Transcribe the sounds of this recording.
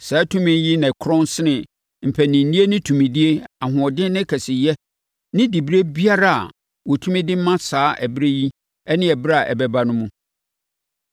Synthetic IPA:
sɛ˨˦tʰũ˦mɪ̃˨˦jɪ˦nɪ̃˨kʰɾɔ̃˦n˦sɪ˦nɪ̃˨ | m̩˨pʰæ˨nɪ̃˨n̩˨˦nĩ˦e˦nɪ̃˦tʰũ˨mĩ˨di˦e˦a˨ɦʊ̃˨ɔ˨dɪ̃˦nɪ̃˦kʰɛ˨sɪ˨jɛ˦ | nɪ̃˦di˨bɾe˦bi˦a˦ɾa˨a̰˨ | wɔ˨tʰũ˦mɪ̃˦dɪ˦m˦mã˦saː˨˦ʔɛ˨bɾe˦ji˦ | ɛ˦nɪ̃˦ɛ˨bɪ˦ɾa˨ʔɛ̰˨bɛ˦ba˦nʊ̃˦mũ˦

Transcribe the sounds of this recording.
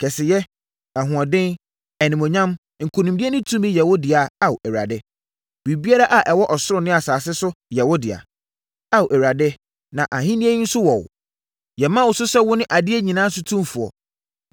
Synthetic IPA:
kʰɛ˨sɪ˨jɛ˦ | ɛ˨ɦʊ̃˨ã˨dɪ̃˦n | ɛ˨nĩ˨mɔ̃˨ɲã˦m | ŋ̩˨kʰo˨nũ˨di˦ɛ˦nʊ̃˦tʰũ˦mĩ˦jɛ˨wɔ˦dɪ˨a˨a˨wɛ˨ɾa̰˨dɪ˦ | bi˨bi˦a˦ɾa˦ʔa˨ʔɛ˨wɔ˦ʔɔ˨sʊ˦ɾʊ˨˦nɪ̃˦a˨saː˨s̬ɪ˦sʊ˦jɛ˨wɔ˦dɪ˨a̰˨ | a˦wʔɛ˨ɾa˨dɪ˦ | nã˨ʔa˨ɦĩ˦nĩ˦e˦ĩ˦n̩˦sʊ˦wɔ˨w | jɛ˨mã˦˨wʊ˨sʊ˦sɛ˦wʊ˦nɪ̃˦ʔa˨dɪ˦ɛ˦ɲĩ˨nãː˦sʊ˦tʰũ˦mfʊ˨ɔ̰˨

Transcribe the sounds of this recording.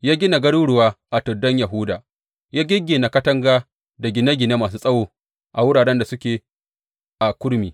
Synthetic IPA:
jaː˦ɡʲɪ˦na˨ɡɐ˦ɽuː˦ɽʊ˨waː˦ʔa˨tʊ˨dːɔ˦ɲja˨ɦʊ˦daː˨ | jaː˦ɡʲɪ˦ɡʲːe˨na˨kɐ˦tɐ˦ŋɡaː˦ | da˨ɡʲɪ˨na˦ɡʲɪ˨na˦maː˨s̬uː˦sʼɐ˦woː˦˨ | ʔa˨wʊ˦ɽaː˨ɽɛ˦nda˨sʊ˦kʲeː˨ | ʔa˨kʷʊ˦ɽmiː˨

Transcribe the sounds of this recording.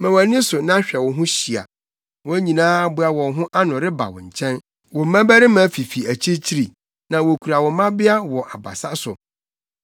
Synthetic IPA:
mɛ̃˨wa˨˦nɪ̃˦sʊ˨nã˦ɕᶣɛ˨wɔ̃˨ɦʊ̃˦ɕi˨a̰˨ | wɔ̃˦ɲĩ˨nãː˦a˦bʊ˦a˨wɔ̃˨˦ɦʊ̃˦ʔa˦nʊ̃˨ɾɪ˦ba̰˨wɔ̰̃˨ɲ̩˨t͡ɕʰɛ̃˦n | wɔ˨m˦mã˦bæ˦ɾɪ˦mæ̃˨˦fi˨fi˨æ˨t͡ɕʰi˦t͡ɕʰi˦ɾi˨ | nã˨wo˨kʰu˨ɾa˨wɔ˨˦mã˦bɪ˦a˦wɔ˨ʔa˨ba̰˨sa˦sʊ̰˨

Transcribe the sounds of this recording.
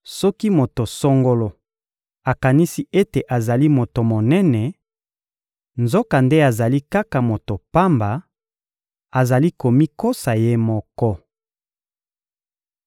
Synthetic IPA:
sɔ˦ki˦mo˨to˨so˦ŋɡo˦lo˨ | a˨ka˨ni˦si˦e˦te˨ʔa˨za˨li˦mo˨to˨mo˨nɛ˦nɛ˨ | nzo˦ka˨nde˦a˨za˨li˦ka˦ka˨mo˨to˨pa˦mba˨ | a˨za˨li˦ko˨mi˦ko˦sa˨je˦mɔ˦kɔ˦

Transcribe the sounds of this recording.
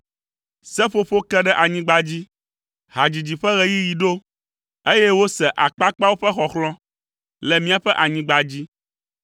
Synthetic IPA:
sɛ˦ɸo˦ɸo˦kɛ˦ɖɛ˦ʔa˨ɲĩ˦ɡ͡ba˨d͡ʑi˦ | ɦa˨d͡ʑi˨d͡ʑi˨ɸɛ˦ɣɛ˨ji˦ji˨ɖo˦ | e˦jɛ˦wo˦sɛ˨ʔa˨k͡pa˦k͡pa˦wo˦ɸɛ˦xɔ˨xlɔ̃˦ | lɛ˨mĩ˦a˨ɸɛ˦ʔa˨ɲĩ˦ɡ͡ba˨d͡ʑi˦

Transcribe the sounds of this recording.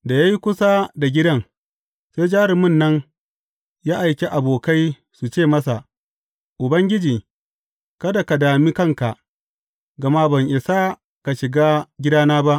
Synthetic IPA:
da˨ja˦ji˦kʷʊ˦sa˦da˨ɡʲɪ˦dɐ˦ŋ | seː˦jd͡ʒaː˦ɾɪ˨mʊ˦˨nːɐ˦ŋ | jaː˦ʔa˨jkʲe˦ʔa˨boː˨ka˦j | su˨t͡ʃeː˦˨mɐ˦sa˨ʔ | ʔʊ˨bɐ˦ŋɡʲɪ˦d͡ʒiː˨ | kɐ˦da˨ka˨daː˨miː˦kɐ˦ŋka˨ʔ | ɡɐ˨ma˦bɐ˨ŋʔɪ˨sa˦ | ka˨ʃɪ˨ɡaː˦ɡʲɪ˦daː˦naː˦ba˦ʔ

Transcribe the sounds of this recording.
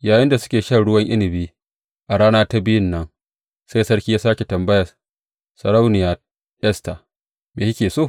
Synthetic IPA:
jaː˨jɪ˦nda˨sʊ̥˦kʲeː˨ʃɐ˦nɽʊ˦wɐ˦ŋʔɪ˦nɪ˨biː˦ | ʔa˨ɽaː˦naː˦ta˦bɪ˦jɪ˦nːɐ˦ŋ | sa˦jsɐ˦ɽkʲiː˦jaː˦saː˦kʲe˨tɐ˨mbɐ˦jɐ˨ | sɐ˨ɾa˦wnɪ˨jaː˨ | ʔɛ˦sta˨ | meː˨ʃi˦kʲeː˨soː˦˨

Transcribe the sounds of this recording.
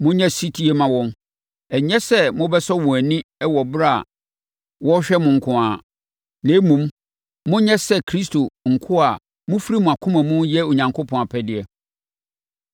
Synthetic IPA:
mʊ̃˦ɲɛ̃˦si˦tʰi˦e˦mã˨˦wɔ̃˦m | ɛ˨ɲɛ˦sɛ˦mʊ̃˦bɛ˦sɔ˦wʊ̃˨æ˨nĩ˦ɛ˦wɔ˨bɾa̰˦˨ | wɔ˦ɕᶣɛ˦mʊ̃˨ŋ̩˨kʰʊ̃˨a˨ | nẽː˨˦mũ˨mː | ʊ̃˦ɲɛ˦sɛ˦˨kʰɾi˦stʰo˨ŋ̩˨kʰʊ˦a˨ | mʊ̃˦fɾi˦mʊ̃˨a˨kʰʊ̃˦mæ̃˨mũ˦jɛ˦o˨ɲã˨ŋkʰo˦pʰɔ̃˨a˨pʰɛ˦dɪ˨ɛ˨

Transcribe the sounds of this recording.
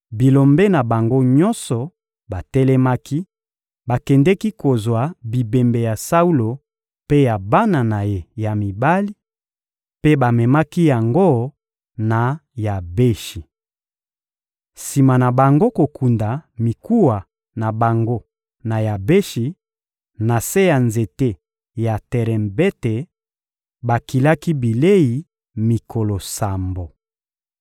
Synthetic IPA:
bi˨lo˨mbɛ˦na˨ba˨ŋɡo˦ɲɔ˦nsɔ˨ | ba˨tɛ˦lɛ˦ma˦ki˦ | ba˨kɛ˨ndɛ˦ki˦ko˨zwa˨bi˨be˨mbe˨ja˨sa˦u˦lo˨ | pe˦ja˨ba˦na˨na˨je˨ja˨mi˨ba˦li˦ | pe˦ba˨mɛ˨ma˦ki˦ja˨ŋɡo˦ | na˨ja˨be˦ʃi˨ | si˨ma˨na˨ba˨ŋɡo˦ko˨ku˨nda˨mi˨ku˦wa˨ | na˨ba˨ŋɡo˦ | na˨ja˨be˦ʃi˨ | na˨se˦ja˨nze˨te˦ | ja˨tɛ˨ʁɛ˨mbe˦te˨ | ba˨ki˨la˦ki˦bi˨le˦i˨ | mi˨kʰo˨lo˨sa˨mbo˨

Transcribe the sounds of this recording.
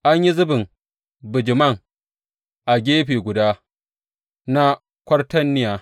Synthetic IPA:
ʔa˦ɲji˦zʊ˦bɪ˨ŋ | bɪ˨d͡ʒɪ˨mɐ˦˨ŋ | ʔa˨ɡʲeː˦ɸeː˨ɡʷʊ˨daː˦ | na˦ | kʷɐ˦rtɐ˦nːɪ˦jaː˨

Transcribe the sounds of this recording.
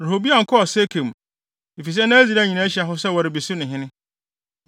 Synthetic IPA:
ɾa˨ɦo˨bi˦a˨ŋ̩˨kʰɔ˦ɔ˨se˦kʰẽ˨m˨ | e˨fi˨s̬ɛ˦nã˦æ˦d͡zi˨ɾa˦˨ɲĩ˨nã˦ɕi˨a˨ɦʊ˦sɛ˦wa˨ɾɪ˨bi˨sʊ˦nʊ̃˨ɦɪ̃˦nɪ̃˦

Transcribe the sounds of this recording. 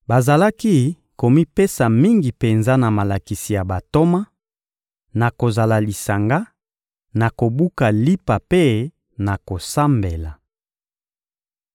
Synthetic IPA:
ba˨za˨la˦ki˦ | ko˨mi˦pe˦sa˨mi˦ŋɡi˨pe˨nza˦na˨ma˨la˨ki˨si˨ja˨ba˨to˦ma˦ | na˨ko˨za˨la˨li˨sa˨ŋɡa˦ | na˨ko˨bu˦ka˨li˦pa˨pe˦ | na˨ko˨sa˦mbe˨la˨

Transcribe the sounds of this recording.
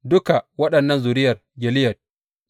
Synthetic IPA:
dʊ˦ka˨wɐ˦ɗɐ˨nːɐ˦nzuː˨ɾɪ˦jɐ˨rɡɛ˨lɪ˦jɐ˨d

